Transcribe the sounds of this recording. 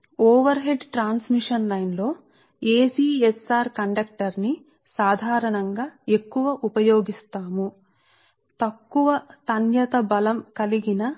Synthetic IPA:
ɔːʋɐɾɦeɖʈɾaːnsmiʂɐnlɐjnlo̞ː | eːsiːesaːɾkɐɳɖɐk̚ʈɐɾni | saːd̪ʱaːɾɐɳɐŋɡaːekːuʋɐʔupɐjoːɡist̪aːmu | t̪ɐkːuʋɐt̪ɐnjɐt̪ɐbɐlɐmkɐliɡinɐ

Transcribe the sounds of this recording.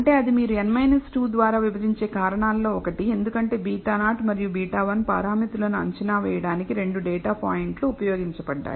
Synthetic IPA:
ɐɳʈe̞ːɐd̪imiːɾuenmɐjnɐsʈuːd̪ʋaːɾaːʋibɐd̪iɲt͡ʃe̞ːkaːɾɐɳaːlːo̞ːɔkɐʈie̞nd̪ukɐɳʈe̞ːbiːʈaːnaːʈmɐɾijubiːʈaːʋɐnpɐ̰ːɾaːmit̪ulɐnuɐ̰ɲt͡ʃɐnaːʋɛːjɐɽaːnikiɾe̞ɳɖuɖɛːʈaːpa̰ːjiɳʈluːpɐjo̞ːɡiɲt͡ʃɐbɐɖːa̰ːj

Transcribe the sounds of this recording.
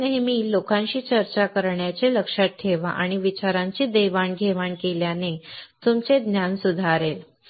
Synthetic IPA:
neɦemiːlokãɲt͡ɕiːt͡ɕəɾt͡ɕakəɾɳjat͡ɕeləkʂat̪ʈʰːeʋa̰ʔa̰ɽ̃iʋit͡ɕaɾãɲt͡ɕiːd̪eʋaɳɡʱeʋaɳkeljanet̪umt͡sed̪njansud̪ʱaɾel

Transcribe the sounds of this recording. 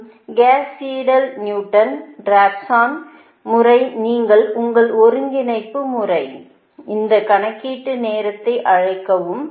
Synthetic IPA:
ɡaːsiːɽɐlnjuːʈːɐnɾaːpsaːn | mʊrɐɪniːŋɡɐɭʊŋɡɐɭɔɾɯŋɡɪnɐɪpːɯmʊrɐɪ | ɪnd̪ɐkɐɳɐkːiːʈːɯneːɾɐt̪ːɐɪʔɐɻɐɪkːɐʋɯm

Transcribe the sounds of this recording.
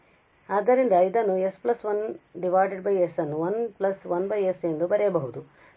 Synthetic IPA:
aːd̪ːɐɾind̪ɐid̪ɐnːuesplɐsʋɐnɖiʋaːɖeɖbɐjesɐnːuʋɐnplɐsʋɐnbɐjese̞nd̪ubɐɾɛjɐbɐɦud̪u

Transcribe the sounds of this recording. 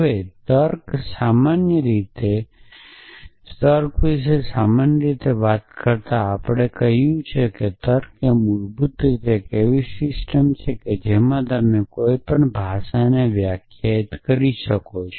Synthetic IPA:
əʋet̪əɾksamanjəɾit̪e | səɾkʋis̬esamanjəɾit̪eʋat̪kəɾt̪aːpɽ̃ekəɦjũt͡ʃʰeket̪əɾkemud͡ʒbut̪ɾit̪ekeʋisɪsʈəmt͡ʃʰeked͡ʒemãt̪əmnekoipəɳbʱaʃaneʋjakʰjait̪kəɾiʃəkot͡ʃʰe

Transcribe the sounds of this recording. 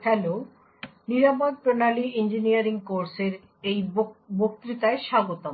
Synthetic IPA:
fɛlo | niɾamod̪̚pɾonaliind͡ʑiniaɾiŋkoɾseɾ | ejbok̚t̪ɾit̪aeʃaɡot̪o

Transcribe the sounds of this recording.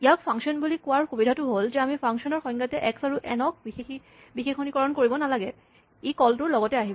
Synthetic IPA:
ijak̚pʰaŋksɔnbulikʊaɹxubidʱatʊɦolzɛamipʰaŋsɔnɔɹxɔ̃jŋɡatɛʔɛksaɹuʔɛnɔk̚bixexi | bixexonikɔɹɔnkoɹibɔnalaɡɛ | ekɔltʊɹlɔɡɔtɛaɦibɔ

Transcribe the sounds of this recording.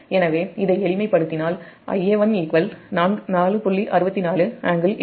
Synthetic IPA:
ɛnɐʋeːɪðɐɪɛɭɪmɐɪpːɐɽɯt̪ːɪnaːl | ʔɐ̰jːɛːʋɐniːkʋɐlnaːnaːlɯpʊɭːiʔɐɾɯbɐt̪ːinaːlɯaːŋɡɐl

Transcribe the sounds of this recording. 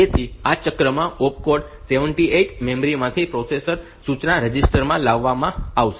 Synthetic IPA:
et̪ʰiat͡ʃəkɾəmãʔop̚koɾɖ | seʋəɳʈieʈmemɾimãt̪ʰipɾɔsesəɾ | sut͡ʃnaɾəd͡ʒisʈəɾmãlaʋːamãaʋʃ

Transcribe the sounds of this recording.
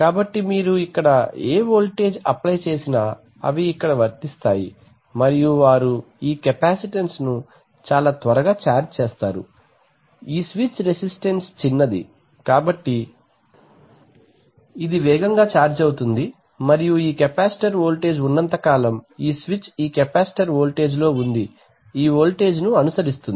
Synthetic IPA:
kaːbɐʈːimiːɾuikːɐɽɐeːʋoːlʈe̞ːd͡ʒɐ̰plɐjt͡ʃe̞ːsinaː | ɐ̰ʋiːkːɐɽɐʋɐɾt̪ist̪aːjḭ | mɐɾijuʋaːɾu | iːkɐpaːsiʈensnu | t͡ʃaːlaːt̪ʋɐɾɐɡaːt͡ʃaːɾd͡ʒt͡ʃeːst̪aːɾṵ | iːsʋit͡ʃɾesisʈenst͡ʃinːɐd̪ḭ | kaːbɐʈːi | id̪iʋɛːɡɐŋɡaːt͡ʃaːɾd͡ʒɐwut̪und̪i | mɐɾijuiːkɛpaːsi̥ʈɐɾoːlʈe̞ːd͡ʒunːɐnt̪ɐkaːlɐmiːsʋit͡ʃiːkɛpaːsi̥ʈɐɾo̞ːlʈe̞ːd͡ʒlo̞ːund̪i | iːo̞ːlʈe̞ːd͡ʒnuɐnusɐɾist̪un

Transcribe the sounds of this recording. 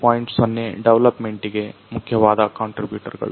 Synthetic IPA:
paːjiɳʈsʋonːeɖeʋlɐpmeɳʈiɡe̞mukʰjɐʋaːd̪ɐkaːɳʈɾibjuːʈɐɾɡɐ̰ɭu

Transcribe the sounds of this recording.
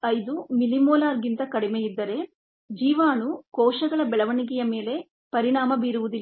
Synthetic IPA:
ɐjd̪umilimɔːlaːɾɡint̪ɐkɐɽimejid̪ːɐɾe̞ | d͡ʒiːʋaːnukɔːʂɐɡɐɭɐbɛɭɐʋɐɳiɡɛjɐme̞ːle̞ | pɐɾiɳaːmɐbiːɾuʋud̪ilː

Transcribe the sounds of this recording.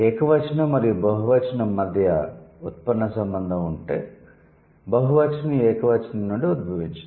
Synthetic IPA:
ɛːkɐʋɐt͡ʃɐnɐmɐɾijubɐɦuʋɐt͡ʃɐnɐmːɐd̪ʱjɐut̪̚pɐnnɐsɐmbɐnd̪ʱɐmuɳʈḛː | bɐɦuʋɐt͡ʃɐniɛːkɐʋɐt͡ʃɐnɐnːuːɳɖiud̪̚bʱɐʋiɲt͡ʃɐ

